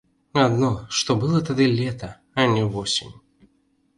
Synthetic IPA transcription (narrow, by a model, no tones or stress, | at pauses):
ad̪nɔʂt̪ɔbɨlˠɐt̪ad̪ɨlʲɛt̪ɐ | ɐnʲɛvɔsʲḭnʲ